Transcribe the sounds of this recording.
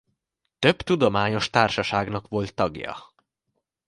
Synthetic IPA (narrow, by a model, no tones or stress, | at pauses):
t̪ø̞bt̪ud̪o̞maːɲo̞ʃt̪aːrʃɒʃaːɡnɒkʋo̞lt̪ːɒɡjɒ̰